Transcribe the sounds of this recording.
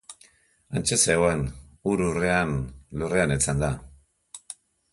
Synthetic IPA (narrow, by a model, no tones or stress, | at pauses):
ant͡ʃe̞seoe̞nuɾure̞anlure̞anet͡sand̪a